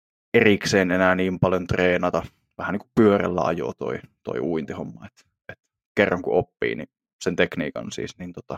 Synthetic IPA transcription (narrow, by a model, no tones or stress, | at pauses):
erikseːnenæːniːmpɑljont̪reːnɑt̪ɑ | ʋæhæniːŋku̥ppyørḛlːæ̰ɑ̰jo̰ːt̪o̰it̪o̰iuint̪ihomːɑet̪ | et̪ | kerːɑŋkuʔopːḭːnḭ | sent̪eknḭːkɑ̰nsḭːsnint̪ot̪ɑ